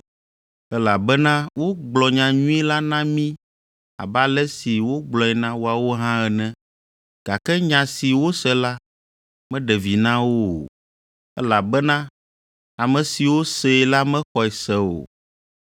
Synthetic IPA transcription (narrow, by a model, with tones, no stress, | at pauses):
ɛ˦la˨bɛ˦nã˦wo˦ɡ͡blɔ˨ɲã˨ɲũ˦i˦la˦nã˦mĩ˦ | a̰˨ba˦lɛ˦si˨wo˦ɡ͡blɔ˨ɛ˨nã˦wo˦a˨wo˦ɦã˦ɛ˨nɛ̃˦ | ɡ̥a˨kɛ˦ɲã˨si˨wo˦sɛ˦la˦ | mɛ̃˦ɖɛ˨vi˨nã˦wo̰˦˨ | ɛ˦la˨bɛ˦nã˦ | a˨mɛ̃˨si˨wo˦sɛ˨la˦mɛ̃˦xɔ˨ɛ˨sɛ˦o̰˨